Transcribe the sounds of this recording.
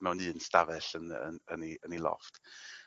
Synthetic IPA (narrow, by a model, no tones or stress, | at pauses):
mɛwnɨːnstavɛɬənə̰əniənilˠɔ̰fd̥